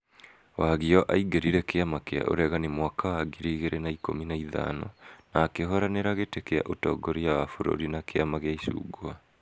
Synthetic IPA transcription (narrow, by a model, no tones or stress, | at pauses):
waɣiɔʔaiɡeɾiɾɛkeamakea̰ʔo̰ɾɛɣanemwakawaɡiɾeiɣeɾʔenaiko̰minaiða̰nɔ̰naːkeɦɔɾaneɾaɣetekea̰ʔotɔːɡoɾiawafoɾo̰ɾinakeamaɣeaisṵːɡoa